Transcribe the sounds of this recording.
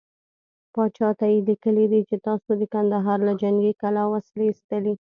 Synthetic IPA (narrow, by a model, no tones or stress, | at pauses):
pɑt͡ʃɑt̪ajelikəlid̪it͡ʃet̪ɑsod̪əkand̪aɦɑɾlad͡ʒaŋɡekalawaslest̪əli